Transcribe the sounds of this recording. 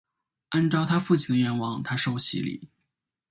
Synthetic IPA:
a˥˧nʈ͡ʂɑ˥˧ʊt̪ʰa˥fu˥˩t͡ɕʰi˨˩nd̪ə˦ɥɛ˧˥nwɑ˨˩ŋt̪ʰa˥ʂo˥˩ʊɕḭ˧˥lḭ˨˩˦

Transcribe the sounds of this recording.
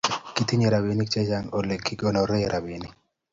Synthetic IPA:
ki˦t̪i˦ɲe˨ɾa˨bi˦ni˦k̚t͡ʃe˦t͡ʃa˦ŋo˨le˨kːi˦ɡo˦nɔ˨ɾɛ˦˨ɾʔa˨bi˨ni˨

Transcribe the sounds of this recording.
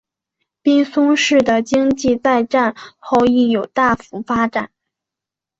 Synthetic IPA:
pi˥ŋsʊ˥ŋʂɻ̩˥˩d̪ə˩t͡ɕi˥ŋt͡ɕi˥˧t͡sa˥˧ɪʈ͡ʂa˥˧nxo˥˧ʊi˥˩jo˨˩ʊt̪a˥˩fu˧˥fa˥ʈ͡ʂa˨˩˦n

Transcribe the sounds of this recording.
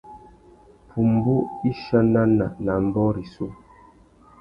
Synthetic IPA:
pʰu˨m˨bu˦i˦ʃa˦na˦na˨na˨m̩˦bɔ˦ɾi˨su˦

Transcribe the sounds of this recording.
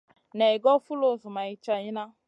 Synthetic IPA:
nɛ˨ɡɔ˦fu˦lo˦˨zʊ˨ma˨i˨t͡ʃa˦˨ɲi˦na˦

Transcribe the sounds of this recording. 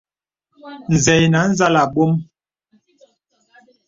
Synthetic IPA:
n̩˨zɛ˨jna˨˦n̩˦za˦la˨ɓo˦m

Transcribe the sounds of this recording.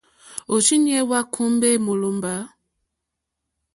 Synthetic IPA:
o˨t͡ʃi˦n˦ɛ˦wa˦kʰu˦mbe˦˨mo˨lo˨mba˨˦

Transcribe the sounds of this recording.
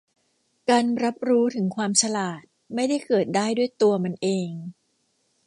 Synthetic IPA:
kaː˧nɾa˦˥p̚ɾuː˦˥t̪ʰɯ˩˦ŋkʰwaː˧msʰa˧laː˨˩t̪̚ma˥˩jda˥˩jkɤː˨˩t̪̚daː˥˩jdu˥˩əjt̪u˧ɐma˧nʔeː˧ŋ

